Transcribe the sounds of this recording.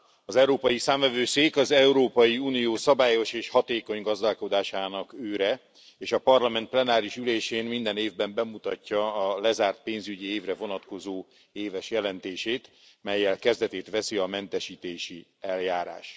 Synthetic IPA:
ɒzɛuɾoːpɒjisaːɱvɛvøːseːkɒzɛuɾoːpɒjiuːnijoːsɒbaːjo̞ʃeːʃhɒt̪eːko̞ɲɡɒzd̪aːlko̞d̪aːʃaːnɒkøːɾɛ | eːʃɒpɒrlɒmɛnt̪̚plɛnaːɾiʃyleːʃeːnmind̪ɛneːvbɛmbɛmut̪ɒcːɒːlɛzaːrt̪̚peːnzyɟieːvrɛvo̞nɒt̪ko̞zoː | eːvɛʃjɛlɛnt̪eːʃeːt̪ | mɛjːɛlkɛzd̪ɛt̪eːt̪ʋɛsiɒmɛnt̪ɛʃiːt̪eːʃiɛljaːɾa̰ːʃ

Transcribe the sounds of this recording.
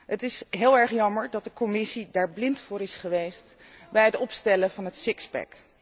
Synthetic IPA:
ɦətɪsɦɪːlˠɛɹχjɑməɹdɑt̚dəkomɪsidaːɹblɪntfʊːɾɪsχəʋejst | bɛjɦətɔpstɛləvɑnɦətsɪkzbɛ̰k

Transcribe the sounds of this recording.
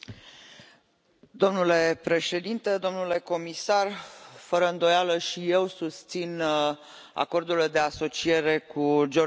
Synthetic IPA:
d̪o̞mnule̞pɾe̞ʃe̞d̪int̪e̞d̪o̞mnule̞ko̞misarfəɾəɨnd̪o̞jaləʃije̞wsust̪sin | a̰ko̞rd̪uld̪e̞aso̞t͡ʃie̞ɾe̞kud͡ʒo

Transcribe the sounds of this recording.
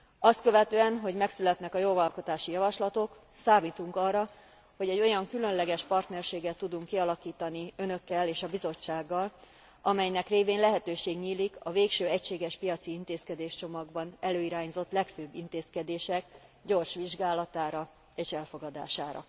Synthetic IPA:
ɒst̪̚kø̞vɛt̪øːɛnɦo̞ɟmɛksylɛt̪nɛkɒjovɒlko̞t̪aːʃijɒvɒʃlɒt̪o̞k | saːmiːt̪uŋkɒrːɒ | ho̞ɟɛɟːo̞jɒŋkylø̞nlɛɡɛʃpɒrt̪nɛrʃeːɡɛt̪ːud̪uŋkːiɒlɒkiːt̪ɒniø̞nø̞kːɛleːʃɒbizo̞t͡ʃːaːɡːɒl | ɒmɛjnɛkreːveːnlɛɦɛt̪øːʃeːɡɲiːlikɒveːkʃøːɛcʃeːɡɛʃpijɒt̪siint̪eːskɛd̪eːʃt͡ʃo̞mɒɡbɒnɛløːiɾaːɲzo̞t̪lɛkføbːint̪eːskɛd̪eːʃɛkɟo̞rʃʋiʒɡaːlɒt̪aːɾɒ | eːʃɛlfo̞ɡɒd̪a̰ːʃaːɾɒ̰

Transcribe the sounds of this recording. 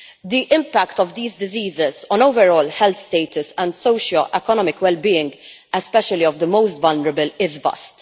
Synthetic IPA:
d̪iʔɪ̃mpækt̪ɔvd̪iːzd̪ɪziːzɪzɔ̃noʊvɛɾɔːlħɛlt̪st̪eɪt̪ʰʊsɛ̃nd̪soʊʃəlʔɛkɔnɔmɪkwɛlbiːɪ̃ŋɡɛspɛʃəliɔvd̪əmoʊst̪vɐlnəɾəbəlɪzvɐ̰st̪

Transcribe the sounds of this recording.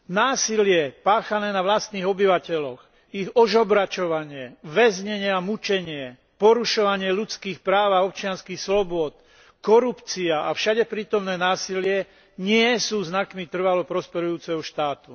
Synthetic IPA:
naːsilɪɛpaːxanɛːnaʋlast̪niːɣɔbiʋacɛlɔɣ | iɣɔʒɔbɾat͡ʃɔʋaɲɪɛʋɛzɲɛɲɪɛamut͡ʃɛɲɪɛ | pɔɾuʃɔʋaɲɪɛlut͡skiːxpɾaːʋaɔp̚t͡ʃɪanskiːxslɔbʊɔt̪ | kɔɾupt͡siaʔafʃaɟɛpɾiːt̪ɔmnɛːnaːsilɪɛ | ɲɪɛsuːznakmit̪r̩ʋalɔpɾɔspɛɾujuːt͡sɛɦɔʃt̪aːt̪u

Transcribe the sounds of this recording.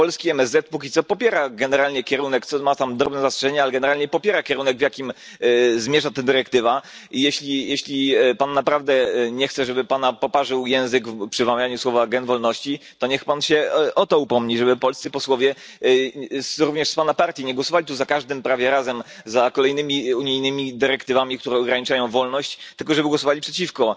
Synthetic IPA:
pɔlskʲiɛmɛzːɛt̪̚pukʲit̪sɔpɔpʲjɛɾaɡɛnɛɾalɲɛkʲɛɾunɛkt̪sɔmat̪amd̪ɾɔbnɛzastʂɛʐɛɲɛalɛɡɛnɛɾalɲɛpɔpʲjɛɾakʲjɛɾunɛɡvjakʲim | zmʲjɛʐat̪ɛd̪ɘɾɛkt̪ɘva | ijɛɕlʲijɛɕlʲipanːapɾavd̪ɛɲɛxt̪sɛʐɛbɘpanapɔpaʐɘwjɛ̃w̃zɘɡfpʂɘvamʲjaɲuswɔvaɡɛnvɔlnɔɕt͡ɕit̪ɔɲɛxpanɕɛʔɔt̪ɔupɔmɲiʐɛbɘpɔlst̪sɘpɔswɔvʲjɛ | sɾuvɲɛʂspanapaɾt̪ʲjiɲɛɡwɔsɔvalit̪uzakaʐd̪ɘmpɾavʲjɛɾazɛmzakɔlɛjnɘmʲiuɲijnɘmʲid̪ɘɾɛkt̪ɘvamʲik̚t̪uɾɛɔɡɾaɲit͡ʂajɔ̃w̃vɔlnɔɕt͡ɕt̪ɘlk̬ɔʐɛbɘɡwɔsɔvalʲipʂɛt͡ɕifkɔ

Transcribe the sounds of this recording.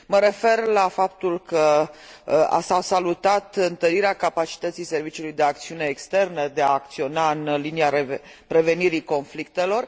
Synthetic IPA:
məɾe̞fe̞rlafap̚t̪ulkə | a̰sawsalut̪at̪ɨnt̪əɾiɾeakapat͡ʃi̥t̪ət̪sijse̞rvit͡ʃiulujd̪e̞ak̚t̪siune̞ːkst̪e̞rnəd̪e̞aːk̚t̪sio̞naɨnliniaɾe | pɾe̞ve̞niɾiko̞nflik̚t̪e̞lo̞r

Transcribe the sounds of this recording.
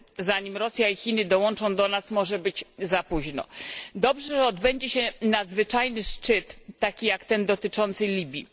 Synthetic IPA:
zaɲimɾɔsʲjaixʲinɘd̪ɔwɔnt͡ʂɔ̃w̃d̪ɔnasmɔʐɛbɘd͡ʑzapuʑnɔ̰d̪ɔbʐɛʐɔd̪bɛɲd͡ʑɛɕɛnad̪zvɘt͡ʂajnɘʂt͡ʂɘt̪ːakʲijakt̪ɛnd̪ɔt̪ɘt͡ʂɔnt̪sɘlʲibʲjḭ

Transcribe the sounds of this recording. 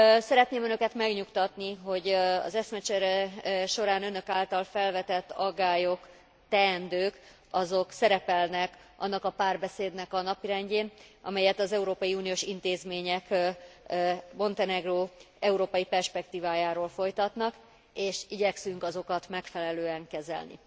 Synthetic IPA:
sɛɾɛt̪neːmønøkɛt̪mɛɡɲukt̪ɒt̪niɦo̞ɟɒ̰zɛsmɛt͡ʃɛɾɛʃo̞ɾaːnønø̞kaːlt̪ɒlfɛlvɛt̪ɛt̪ːɒɡːaːjo̞k | t̪ɛːnd̪øːk | ɒzo̞ksɛɾɛpɛlnɛkʔɒ̰nːɒkɒpaːrbɛseːd̪nɛkɒnɒpiɾɛɲɟeːnɒ̰mɛjɛt̪ɒzɛuɾoːpɒjiuːnijoːʃint̪eːzmeːɲɛk | mo̞nt̪ɛnɛɡroː | ɛuɾoːpɒjipɛrʃpɛkt̪iːvaːjaːɾoːlfo̞jt̪ɒt̪nɒk | eːʃiɟɛksyŋkɒzo̞kɒt̪mɛkfɛlɛløːɛŋkɛzɛ̰lnḭ

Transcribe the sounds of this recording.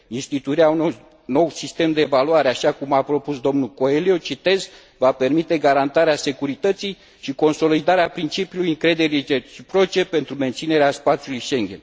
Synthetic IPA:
inst̪it̪uiɾeaun | no̞wsist̪e̞md̪e̞ːvaluaɾeaʃakumapɾo̞pusd̪o̞mnuko̞elio̞t͡ʃit̪e̞z | vape̞rmit̪e̞ɡaɾant̪aɾease̞kuɾit̪ət̪sij | ʃiko̞nso̞lid̪aɾeapɾint͡ʃipijulujɨŋkɾe̞d̪e̞ɾiet͡ʃipɾo̞t͡ʃe̞pe̞nt̪ɾume̞nt̪sine̞ɾeaspat̪sijulujʃe̞ŋɡʲe̞̰n

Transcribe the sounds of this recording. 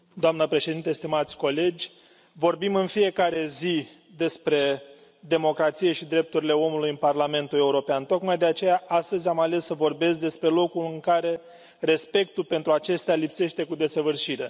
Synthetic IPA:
d̪oamnəpɾe̞ʃed̪int̪e̞st̪imat̪sʲko̞le̞d͡ʒʲ | vo̞rbimɨnfije̞kaɾe̞zi | d̪e̞spɾe̞ | d̪e̞mo̞kɾat̪sije̞ʃid̪ɾe̞p̚t̪uɾile̞o̞mulujɨnparlame̞nt̪ule̞uɾo̞peant̪o̞kmajd̪e̞at͡ʃe̞jaʔast̪əzʲamale̞sːəvo̞rbe̞sd̪e̞spɾe̞lo̞kulɨŋkaɾe̞ | re̞spe̞k̚t̪ulpe̞nt̪ɾuat͡ʃe̞st̪ealipse̞ʃt̪e̞kud̪e̞səvɨrʃiɾe̞

